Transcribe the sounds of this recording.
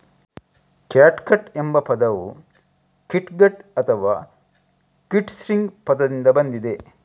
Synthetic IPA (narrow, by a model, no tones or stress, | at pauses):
kaːʈkɐʈembɐpɐd̪ɐʋṵ | kiʈɡɐʈɐt̪ʰɐʋaː | kiʈsɾiŋɡpɐd̪ɐd̪ind̪ɐbɐnd̪id̪e